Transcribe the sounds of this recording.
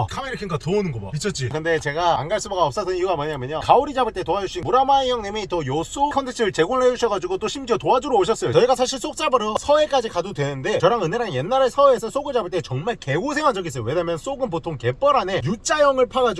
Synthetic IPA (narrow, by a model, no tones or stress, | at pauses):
kʰameɾikʰeŋɡatoonɯnɡʌba̰mit͡ɕʰʌt͡ɕ͈ikɯnde̞t͡ɕe̞ɡaa̰ŋɡaɭs͈ubaɡaʌp̚s͈asʰɯniuɡamaɲamjʌɲokaoɾid͡ʑabɯɭt͈etoad͡ʑuɕʰinbuɾamaijʌŋnemeitʰʌjos͈ʰukʰʌntʰek̚t͡ɕʰɯɾɯɭt͡ɕe̞ɡonɭɦed͡ʑuɕʰʌɡad͡ʑuɡot͈oɕʰimd͡ʑiʌtoad͡ʑuɾooɕ̬ʰʌs͈ʌjot͡ɕʌiɡasʰaɕ̬ʰiɭs͈ok̚t͡ɕ͈abɯɾʌsʰʌe̞k͈ad͡ʑikadudwe̞nɯnde̞t͡ɕʌɾaŋɯneɾanje̞nːaɾesʰʌe̞sʰʌs͈oɡɯd͡ʑabɯɭt͈e̞t͡ɕʌŋmaɭke̞ɡus̬ʰeŋwaŋd͡ʑʌɡis͈ʌjo̰we̞ɲamjʌns͈oɡɯnp̬otʰoŋkep͈ʌɾane̞jut͡ɕ͈ajʌŋɯɭpʰaɡad͡ʑu